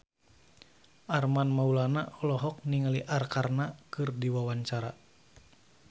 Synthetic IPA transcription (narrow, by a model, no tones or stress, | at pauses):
ʔarmanmaulanaɔlɔɦɔk̚niŋaliʔarkarnakɨrdiwawaɲt͡ʃaɾa